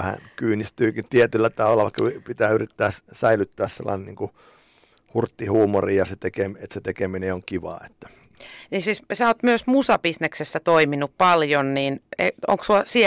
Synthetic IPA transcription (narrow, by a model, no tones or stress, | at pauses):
æhæ̰nkyːnist̪yːkint̪iet̪ylːæt̪ɑʋɑlːɑʋɑˑikːɑpit̪æːyrit̪ːæːssæilyt̪ːæːssḛlːɑ̰ineniːŋku | hurt̪ːihuːmorijɑset̪ekemet̪set̪ekemineoŋkiʋɑ̰ːet̪ːæ̥ | niːnsiːssæoːt̪myøsmusɑpisneksesːæt̪oiminuppɑljonniːnḛo̰ŋksuɑsi